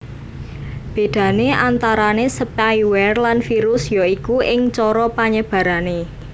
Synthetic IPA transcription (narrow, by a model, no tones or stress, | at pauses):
b̥e̤d̪̥ä̤neʔant̪aɾanesəpajwɛrlanfiɾʊsjoikuʔɪŋt͡ʃɔɾɔpaɲəb̥ä̤ɾane